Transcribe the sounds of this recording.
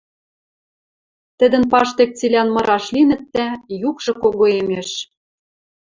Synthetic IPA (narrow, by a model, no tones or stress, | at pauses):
t̪ɘ̆d̪ɘ̆npɑʃt̪ek̚t͡silʲænmɤ̆ɾɑʃlinɘ̆t̪ːæjukʒɤ̆koɣoemeʃ